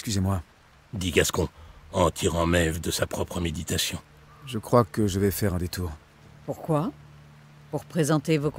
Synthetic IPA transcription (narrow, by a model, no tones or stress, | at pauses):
ɛkskʲyzemwa | d̪iɡaskɔ̃ɑ̃t̪ʰiʁɑ̃mɛvd̪əsapχɔpχəmed̪it̪asjɔ̃ | ʒəkχwakəʒəvɛfɛʁɛ̃d̪et̪uːʁ | puʁkwa | puʁpχezɑ̃t̪evok